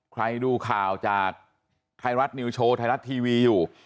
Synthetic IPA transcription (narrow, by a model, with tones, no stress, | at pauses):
kʰɾa˧jduː˧kʰaː˨˩wt͡ɕaː˨˩k̚ | t̪ʰa˧jɾa˦˥t̪̚ni˧wt͡ɕʰoː˧t̪ʰa˧ɾa˦˥t̪ʰːiː˧wiː˧juː˨˩